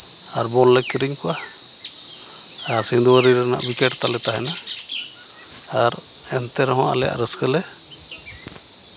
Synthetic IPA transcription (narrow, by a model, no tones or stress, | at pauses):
aɾbɔllɛkiɾiŋkuwa | aɾsind̪uwaɾiɾana̰ʔbikɛʈt̪alɛt̪aɦɛjna | aɾɛnt̪ɛɾɔɦɔ̃ʔa̰lɛa̰ʔɾəskəlɛ